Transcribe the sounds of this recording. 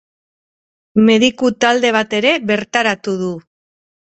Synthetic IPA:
me̞ðikut̪ald̪e̞β̞at̪e̞ɾe̞βe̞ɾt̪aɾat̪uð̞u

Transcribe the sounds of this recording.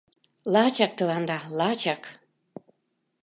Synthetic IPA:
lɑt͡ɕɑk̚t̪əlɑnd̪ɑlɑt͡ɕɑk

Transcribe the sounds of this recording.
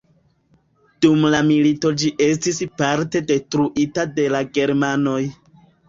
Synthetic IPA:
d̥umlamilito̞d͡ʒiʔe̞s̬tispaɾte̞de̞tɾuʔitade̞laɡe̞ɾmano̞j

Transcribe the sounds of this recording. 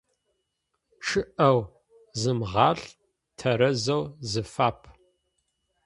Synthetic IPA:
ʈ͡ʂʰɨʔɐw | zɨmʁɑːɬ | tʰɐɾɐzɐwzɨfaːpʰ

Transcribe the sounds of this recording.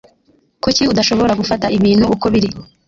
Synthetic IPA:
kuciudaʃo̞βo̞ɾaɡufataʔiβiːn̥huːko̞βiɾi

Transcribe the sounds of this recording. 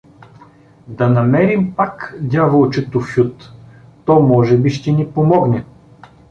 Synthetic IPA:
d̪ɐnɐmɛɾimpakd̪ʲjavəlˠt͡ʃɛt̪ʊfʲjut̪t̪ɔmɔʒɛbiʃt̪ɛnipomɔɡnɛ

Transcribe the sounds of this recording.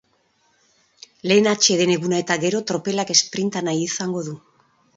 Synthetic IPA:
le̞ːnat͡ʃe̞ð̞e̞ne̞ɣunae̞t̪aɣe̞ɾo̞t̪ɾo̞pe̞lake̞spɾint̪anajisaŋɡo̞ðu

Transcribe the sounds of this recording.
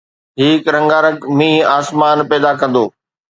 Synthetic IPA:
ɦiːkɾɐ̃ŋɡaːɾəkmĩːaːsmaːnpɛːd̪ak̬ɐ̃nd̪oː

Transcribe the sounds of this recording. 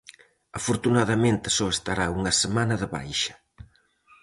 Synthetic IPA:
ɐfoɾt̪unaðɐmẽnt̪ɪsɔest̪aɾauŋɐsemanɐðəβa̰jʃɐ̥

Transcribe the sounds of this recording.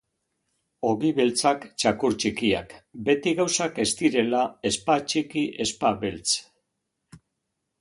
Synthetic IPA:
o̞ɣiβe̞lt͡sakt͡ʃakuɾt͡ʃikia̰kbe̞t̪iɣawsake̞st̪iɾe̞lae̞spat͡ʃikiʔe̞spaβe̞lt͡s

